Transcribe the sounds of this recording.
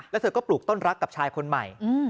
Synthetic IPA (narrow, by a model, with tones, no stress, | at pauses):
lɛ˦˥t̪ɤː˧˩kɔː˥˩pluː˨˩k̚t̪o˥˩nɾa˦˥kːa˨˩p̚t͡ɕʰaː˧jkʰo˧nma˨˩jɯː˧˩